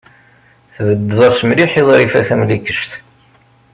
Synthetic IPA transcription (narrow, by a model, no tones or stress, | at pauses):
θvəd̪ːəðˤæsəmliħiðˤɾifæθæmlikəʃt̪